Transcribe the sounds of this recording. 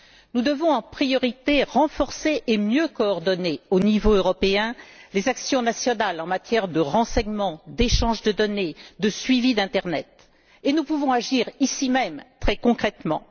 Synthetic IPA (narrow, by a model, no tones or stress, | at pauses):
nud̪əvɔ̃ɑ̃pχijɔʁit̪eʁɑ̃fɔʁseʔemjøkɔːʁd̪ɔneonivoøʁɔpeɛ̃lezaksjɔ̃nasjɔnalɑ̃mat̪jɛʁd̪əʁɑ̃sɛɲmɑ̃d̪eʃɑ̃ʒd̪əd̪ɔned̪əsɥivid̪ɛ̃t̪ɛʁnɛt̪ | enupuvɔ̃aʒiʁisimɛmt̪χɛkɔ̃kχɛt̪mɑ̰̃